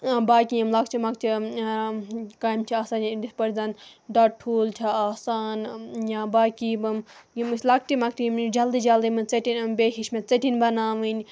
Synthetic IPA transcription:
baːkijimlɐkt͡ʃʰimɐk̚t͡ʃʰi | kaːimt͡ʃʰiaːsaːnd̪ispɐɾd͡zaːnɖɐʈ̚ʈʰuːlt͡ʃʰiaːsaːnjãbaːkibɨmjimsʲlɐk̚t͡ʃʰimɐk̚t͡ʃʰiimd͡ʒɐld̪id͡ʒɐld̪imɨt͡seʈinmbeːɦiʃmet͡seʈinʲbɐnaːʋɨnʲ

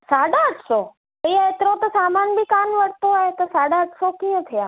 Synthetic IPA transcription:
saːɖaəʈʰso | əijãet̪ɾõt̪ɐsaːmaːnbikanʋəɽ̤t̪oɦaɦet̪ɐsaːɽaəʈsokijə̃t̪ʰijaː

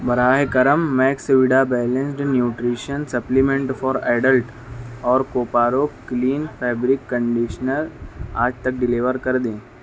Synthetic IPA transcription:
bɐɾaːɦekɐɾəmːɛːksʋɪɖaːbɛːlẽnsɖnjuːʈɾiːʃənsɐplimẽɳʈfɔːɾaːɖəlʈ | ɔːɾkoːpaːɾoːkliːnfʰɛːbɾɪkːə̃ɳɖiːʃənəɾaːd͡ʒt̪ɐk̚ɖɪliʋəɾkɐɾd̪ẽː

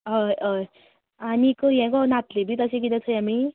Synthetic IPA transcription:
ʌʌ | anikoɦjãkonat̪ʰlebʱit̪ʌsikid̪at͡sʰʌjami

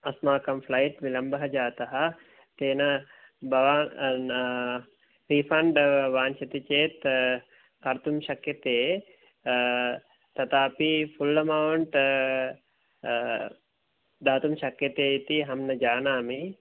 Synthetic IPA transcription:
ɐsmaːkɐmflɐjʈʋilɐmbɐɦɐd͡ʒaːt̪ɐɦɐ | t̪eːnɐ | bɐʋaː | ɾipʰɐɳɖʋaːnt͡ʃɐt̪it͡ʃeːt̪ | kɐɾt̪umʃɐkjɐt̪eː | t̪ɐt̪aːpifulːɐmɐwɳʈ | d̪aːt̪umʃɐkjɐt̪eːit̪iɦɐmnɐd͡ʒaːnaːmi

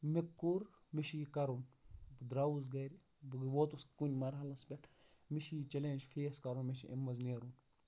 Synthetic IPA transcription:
mikːuɾ | miʃikɐɾunbd̪ɾaʋuzɡɐɾi | bɡʋoːt̪uskunʲmɐɾɦɐlɐspʲeʈʰ | miʃit͡ʃɐleːnd͡ʒfʰeːskɐɾunmeʃiʔḛmːɐzneːɾun

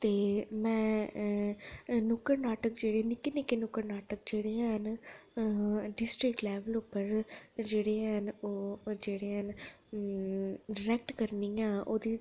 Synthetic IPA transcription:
t̪eːmɛ̃ː | nʊkəɾnaːʈəkd͡ʒeːɽenɪkenɪkenʊkəɾnaːʈək̚d͡ʒeːɽeãɦən | ɖɪsʈɾɪkʈlɛːʋəlʊpːəɾd͡ʒeːɽeːɦənoːd͡ʒeːɽeːən | ɖɾɛk̚ʈkəɾniːãːʔoːd̪iː

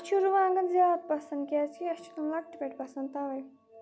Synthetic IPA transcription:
ɐt͡ʃʰuɾuʋaːnɐzjaːd̪̚pɐsɐnd̪̚kijat͡ʃʰiɐst͡ʃʰu̥t̪ɐmlɐk̚ʈipʲeʈpɐsɐnd̪t̪ɐʋɐj

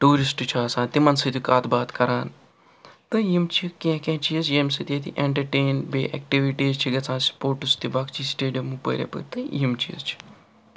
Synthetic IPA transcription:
ʈuːɾisʈt͡ʃʰɐɐsãːt̪imɐnsɨt̪ikaːt̪baːt̪kɐɾaːn | t̪ɨjimt͡ʃʰikẽkẽːt͡ʃʰiːzjeːmsɨt̪iet̪ḭʔeɳʈɐɾʈeːnbeːʔɛ̰kʈiʋiʈiːzt͡ʃʰiɡɐt͡sʰãːspoːɾʈust̪ibaːkt͡ʃʰisʈeːɖijɐmupə̰ːɾʲḛːpə̰t̪ɨjimt͡ʃʰḭːzt͡ʃʰi̥

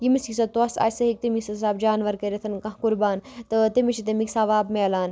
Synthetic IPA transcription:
jimiskisɐt̪uɐsa̰ːjsɐɦik̚t̪imiksɐsaːbd͡ʒaːnʋɐɾkɐɾʲɐt̪ʰɐnkɐɦkuɾbaːnt̪ɨt̪imiʃʰit̪ɐmiksaʋaːbmeːlaːn

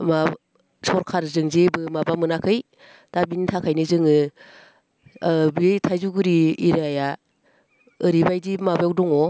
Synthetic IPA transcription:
ma | sɔɾkʰaɾzɯŋzebɯmabamɯnakʰɯj | d̥abinitʰakʰajnɯzɯŋɯ | bitʰajzuɡɯɾiːɾaja | ɯɾibajdimabjawdɔŋɔ

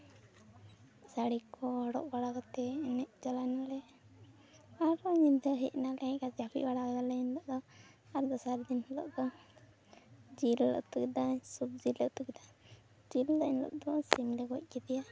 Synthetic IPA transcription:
saɽikʰɔɔɽɔ̰ʔbaɽakɔt̪ɛːnɛʔd͡ʒɔlanalɛ | aɾɔɲind̪əɦic̚nalɛɛ̃ʔkasɛapʰḭʔbaɽakɔd̪alɛɲinlɔʔd̪ɔ | aɾd̪ɔsaɾd̪inhlɔ̰ʔd̪ɔ | d͡ʒillɔ̰ʔt̪ukɛd̪asub̚d͡ʒiləʔt̪ukɛd̪a | d͡ʒilːənlɔ̰ʔd̪ɔsimlɛɡɔc̚ˀkɛd̪ija

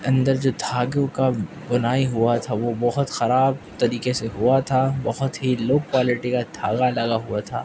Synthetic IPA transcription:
ɐ̃nd̪əɾd͡ʒoːd̪ʱaːɡjõka | bʊnaːiɦʊat̪ʰaʋobɐɦʊt̪xɐɾaːb̚t̪ɐɾiːkeseɦʊat̪ʰabɐɦʊt̪ɦiloːk̚kaːlɪʈikad̪̥ʱaːɡalɐɡaɦuat̪ʰa̰ː

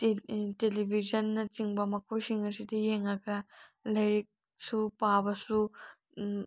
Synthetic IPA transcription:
telibʱid͡ʒɐnːɐt͡ʃiŋbɐmɐkʰojsiŋɐsidijeŋɐɡɐlɐjk̚ | supabɐsu

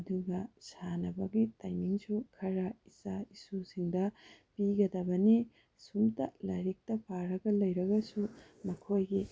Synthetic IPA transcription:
ɐduɡɐsanɐbɐɡitajmiŋsukʰɐɾɐisaisusiŋdɐpiɡɐdɐbɐni | sumtɐlɐjɾik̚tɐpʰaɾɐɡɐlɐjɾɐɡɐsu | mɐkʰojɡi

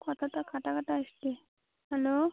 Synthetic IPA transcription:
kɔt̪ʰat̪akʰaʈakʰaʈaəɕt̪e | hɛlo

